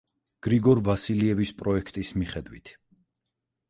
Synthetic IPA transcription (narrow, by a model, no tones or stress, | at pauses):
ɡ̥ɾiɡɔɾvasiliɛvispʼɾɔɛkʰt̪ʼismiχɛd̪wit̪ʰ